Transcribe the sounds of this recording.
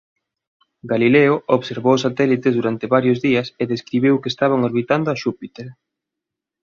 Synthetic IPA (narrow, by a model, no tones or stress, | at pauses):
ɡalileʊoβseɾβowsat̪ɛlit̪ezðuɾant̪ɪβaɾjʊzðiɐseðeskɾiβ̞ewkest̪aβ̞aŋoɾβit̪and̪ʊɐʃupit̪eɾ